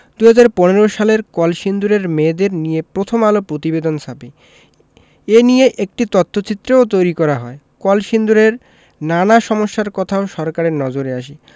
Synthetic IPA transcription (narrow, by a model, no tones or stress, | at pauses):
d̪uɦad͡ʑaɾponeɾoʃaleɾkɔlʃind̪uɾeɾmed̪eɾnijepɾot̪ʰomalopɾot̪ibed̪onsʰabe | enijeʔek̚ʈit̪ɔt̪ʰːot͡ɕit̪ːɾeot̪ojɾikɔɾaɦɔe | kɔlʃind̪uɾeɾ | nanaʃɔmoʃːaɾkɔt̪ʰaoʃɔɾkaɾeɾnɔd͡ʑoɾeaʃi